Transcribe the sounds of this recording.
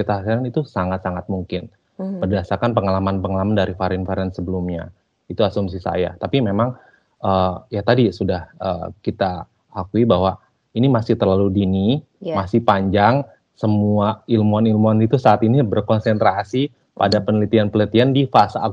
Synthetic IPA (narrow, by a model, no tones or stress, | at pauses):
it̪aasiɾanit̪usaŋat̪̚saŋat̪̚muŋkɪn | bərdasarkanpəŋalamanpəŋalamandaɾifaɾɪnfaɾɛnsəbəlumɲa̰ | it̪uasumsisa̰ja̰t̪apimemaŋ | əjat̪adisudahə̰ːkit̪a | akuibaɦwa | inimasɪht̪ərlaludini | masɪhpaɲd͡ʒaŋ | səmuailmuanilmuanit̪usaːt̪inibərkonsɛnt̪ɾasi | pa̰dapənəlit̪ianpələt̪iandifasa̰